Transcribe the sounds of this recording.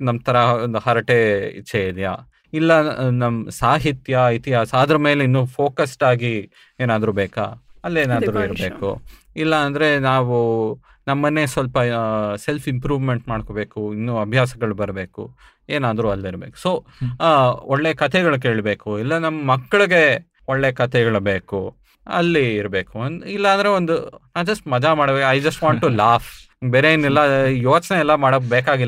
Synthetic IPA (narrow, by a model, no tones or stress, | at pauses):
nɐmt̪ʰɐɾɐnd̪hɐɾɐʈeḭt͡ʃʰːeid̪ja̰ː | ilːɐnɐmɐsaːɦit̪jɐit̪iɦaːsaːd̪ɾɐme̞ːleinːuːpʰo̞ːkɐsʈaːɡi | eːnaːd̪ɐɾuːbeːka̰ːɐlːeːnaːd̪ɐɾuiɾɐbe̞ːkṵ | ilːɐːnd̪ɐɾe̞naːʋu | nɐmːɐnːesʋɐlpɐse̞lfʰimpɾuːʋmeɳʈmaːɽkobe̞ːkuinːuːɐbʱjaːsɐɡɐɭubɐɾɐbe̞ːkṵ | eːnaːd̪ɐɾuɐlːiɾbḛːku̥so̞ː | ɔɭːe̞kɐt̪ʰɛɡɐɭuk̬eːɭbe̞ːkuilːɐnɐmːɐmɐkːɐɭiɡe̞ | oɭːekɐt̪ʰɛɡɐɭɐbeːku | ɐ̰lːiːɾɐbe̞ːkuilːɐɐːnd̪ɾe̞ond̪unaːʋd͡ʒɐsʈmɐd͡ʒamaːɽbekɐjd͡ʒɐsʈʋãːɳʈːulaːpʰ | beːɾeinːilːɐjoːt͡ʃneɛlːɐmaːɽɐbeːkaːɡilː